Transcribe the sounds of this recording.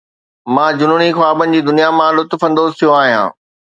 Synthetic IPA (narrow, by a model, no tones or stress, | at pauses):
mãːd͡ʑʊnʊɽ̃ixaːbənɪ̆d͡ʑiːd̪ʊnijamãlʊt̪fɐ̃nd̪oːzt̪ʰijoaːɦijã̰ː